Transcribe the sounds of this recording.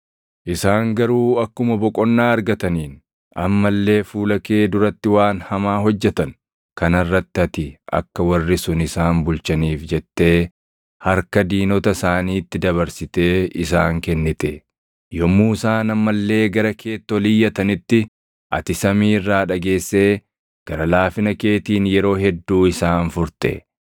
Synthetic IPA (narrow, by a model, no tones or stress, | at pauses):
ʔɪsaːŋɡɐɾuːɐkːʊmɐbɔkʼɔnːaːɐɾɡɐt̪ɐniːn | ɐ̰mːɐlːe̞ːfuːlɐke̞ːd̪ʊɾɐt̪ːɪwaːnhɐmaːɦɔd͡ʒːɛt̪ɐn | kɐnɐrːɐt̪ːɪɐt̪ɪɐ̰kːɐwɐrːɪsʊnɪsaːmbʊlt͡ʃɐniːfd͡ʒɛt̪ːe̞ː | hɐɾkɐd̪iːnɔt̪ɐsaːniːt̪ːɪd̪ɐβɐɾsɪt̪e̞ːɪsaːŋkɛnːɪt̪e | jɔmuːsaːnɐmːɐlːe̞ːɡɐɾɐkʰe̞ːt̪ːɔlɪjːɐt̪ɐnɪt̪ːɪ | ʔɐ̰t̪ɪsɐmiːrːaːᶑɐɡe̞ːsːeː | ɡ̥ɐɾɐlaːfɪnɐke̞ːt̪iːnjɛɾo̞ːɦɛd̪ːuːɪsaːnfʊɾt̪ḛ